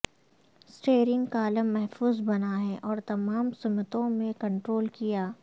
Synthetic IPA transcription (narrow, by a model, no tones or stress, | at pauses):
sʈeːɾɪ̃ŋɡkaːləmːɛɦfuːzbɐnaɦɛʔɔːɾt̪ɐmaːmsʊmɪt̪õmẽkɐ̃ɳʈɾoːlkijaː